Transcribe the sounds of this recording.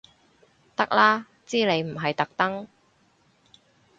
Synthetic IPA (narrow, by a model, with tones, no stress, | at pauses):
t̪ɐ˥k̚laː˥ | t͡siː˥le˨˧jm̩˨˩ɦɐ˨jt̪ɐ˨˥k̚t̪ɐ˥ŋ